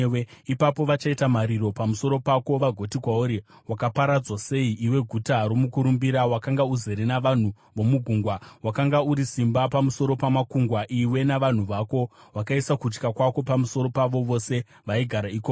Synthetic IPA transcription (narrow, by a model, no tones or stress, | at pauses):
eipapo̞ʋat͡ʃaitamaɾiɾo̞pamuso̞ɾo̞pako̞ʋaɡʱo̞tikwauɾiwakapaɾad͡zwase̞iʔiwe̞ɡʱutaɾo̞mukuɾumbiɾawakaŋɡauze̞ɾenaʋan̤u | ʋo̞muɡʱuŋɡwawakaŋɡauɾisimbapamuso̞ɾopamakuŋɡwaʔiwe̞naʋan̤uʋako̞wakaisakut͡ʃkakwako̞pamuso̞ɾo̞paʋo̞ʋo̞se̞ | ʋaiɡʱaɾaiːkok